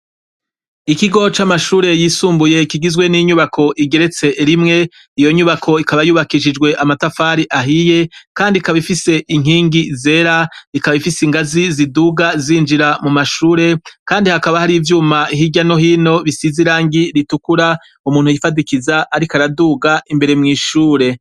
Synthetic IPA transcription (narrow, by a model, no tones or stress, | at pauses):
ikiɡo̞t͡ʃamaʃuːɾe̞jiːsuːmbuje̞kiɡizɡwe̞niɲuβakʰo̞ʔiɡe̞ɾe̞t͡se̞ɾimŋe̞ | ijo̞ɲuβakʰo̞ikaβajuːβakiʃ̬id͡ʒɡwe̞ʔamatafaːɾiʔaɦije̞kaːndikaβifise̞ʔiŋ̥iːŋɡize̞ːɾaikaβifisiŋɡaziziduɡaziːnd͡ʒiɾamumaʃuːɾe̞kaːndihakaβahaɾivjuːmaiɦiɟano̞ɦiːno̞βisiziɾaːŋɡiɾitukuɾa | umuːn̥hujifadikizaʔːɾikaɾaduɡaimbe̞ɾe̞mŋiːʃuːɾe̞